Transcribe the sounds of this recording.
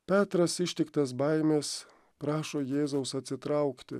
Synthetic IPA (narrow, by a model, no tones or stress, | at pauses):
pʲæːt̪ɾɐsɪʃʲt̪ʲɪkt̪ɐs̬bɐɪmʲeːs | pɾɑːʃoːjeːzɐʊsɐt̪ʲsʲɪt̪ɾɑʊkt̪ʲɪ̰